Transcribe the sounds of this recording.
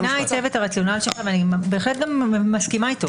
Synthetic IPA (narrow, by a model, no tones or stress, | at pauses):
nait͡sevetaʁat͡sijo̞nalʃelχaveanibe̞ːχlet̚ɡamːaskimaito